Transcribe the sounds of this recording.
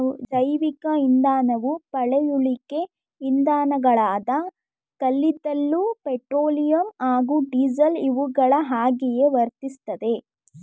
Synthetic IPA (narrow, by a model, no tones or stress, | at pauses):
d͡ʒɐjʋikɐind̪aːnɐʋupɐɭejuɭike̞ | ind̪aːnɐɡɐɭaːd̪ɐ | kɐlːid̪ɐlːupeʈɾoːlijɐmaːɡuɖiːd͡ʒɐliʋuɡɐɭɐɦaːɡɛje̞ʋɐɾt̪ist̪ɐd̪e̞